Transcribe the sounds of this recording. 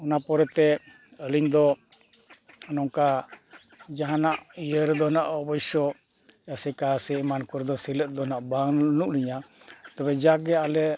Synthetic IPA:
ɔnapɔɾɛt̪ɛ | əliɲd̪ɔ | ɔnɔŋka | d͡ʒaɦanaʔijəɾd̪ɔnaʔɔbɔjsɔ | jasɛkasɛmankɔɾd̪ɔsiləʔ̚d̪ɔnaʔbaŋnuʔliɲa | t̪abɛd͡ʒaɡɛalɛ

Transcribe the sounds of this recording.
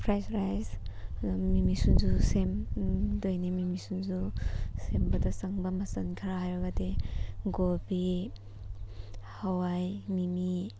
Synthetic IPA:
pʰɾajsɾajz | mimisunzusemdojnimimisunzusembɐdɐsɐŋbɐmɐsankʰaɾaɦajɾaɡadeɡobi | hawajmimi

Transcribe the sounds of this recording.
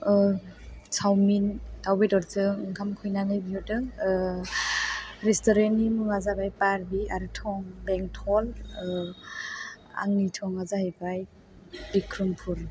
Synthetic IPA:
sʰawmintawbedɔɾzɯŋɡʰamkʰɯjnanɯjbiɔtɯ | ɾɛstɔɾenimɯŋazabajpaɾbiaɾɯtʰɔŋbɛŋtʰɔl | a̰ŋnitʰɔŋazahebaj | b̥ikʰɾumpʰuɾ

